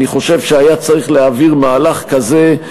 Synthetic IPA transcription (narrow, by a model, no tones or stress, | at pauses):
niχo̞ʃe̞vʃeajat͡saʁiχleaviʁmaːlaχkaze̞